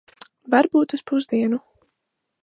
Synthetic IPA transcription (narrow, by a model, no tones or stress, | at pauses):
vaɾbuːt̪uspuzd̪iɛnu